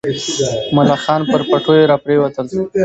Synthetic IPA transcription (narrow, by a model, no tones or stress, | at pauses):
mʊlɑxɑːnpəɾpaʈʰojeɾɑpɾewat̪əl